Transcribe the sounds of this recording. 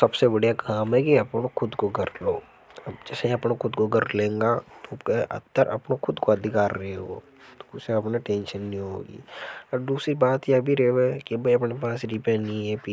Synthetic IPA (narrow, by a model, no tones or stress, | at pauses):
sɐbsebɐɽ̤ijakaːmɦɛkiɐpnokʰʊd̪koɡʱɐɾloː | ɐbd͡ʒɛːseɐpnokʰʊd̪koɡɐɾlẽːŋɡat̪okeʔɐ̰t̪ːəɾʔɐ̰pnokʰʊd̪koɐd̪ʱɪkaːɾːɐɦeɦo̰ː | t̪o̥ʊseɐpneʈẽːnʃənːiɦo̰ːɡḭːɔːɾd̪uːsɾibaːt̪jiɐbʱiɾeɛkibʱɐiɐpnep̬aːsɾipẽːniɛpi